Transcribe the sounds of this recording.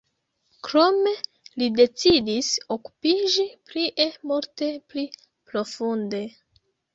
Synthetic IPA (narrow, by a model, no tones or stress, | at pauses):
kɾome̞ | lide̞t͡sidisoku̥pid͡ʒipliʔemoɾte̞pli | pɾo̞funde̞